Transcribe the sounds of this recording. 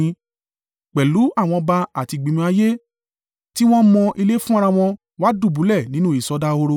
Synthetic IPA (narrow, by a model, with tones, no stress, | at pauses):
k͡pɛ˨lu˨˦a˦˨w̃ɔ̃˧ba˧a˨ti˧˨ɡ͡bĩ˨mĩ˧a˧je˦ | ti˦w̃ɔ̃˦mɔ̃˧ʔi˧le˦fũ˦a˧ɾa˧w̃ɔ̃˧ | wa˦du˦˨bu˨˦lɛ˦˨nĩ˦nũ˦i˦˨sɔ˧da˦o˧ɾo˧